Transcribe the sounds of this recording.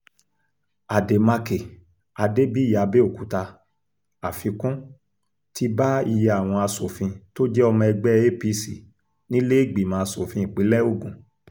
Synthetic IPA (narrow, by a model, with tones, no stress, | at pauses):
a˨de˨ma˧ke˨ | a˨de˦bi˦˨a˨˧be˦o˦˨ku˨ta˧ | a˨fĩ˧kũ˦ | ti˧ba˦i˦˧˨je˧a˦˨w̃ɔ̃˧a˧so˨fĩ˧to˦d͡ʒɛ˦ɔ˧mɔ̃˧ɛ˧ɡ͡bɛ˦e˦pi˧˦si˨ | nĩ˦le˦i˦˨ɡ͡bi˨mãː˨˦˧so˨fĩ˧i˨k͡pi˨˦lɛ˦o˦˨ɡũ˨